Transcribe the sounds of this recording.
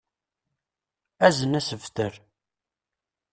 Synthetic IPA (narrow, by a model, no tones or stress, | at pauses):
æzənæsəft̪əɾ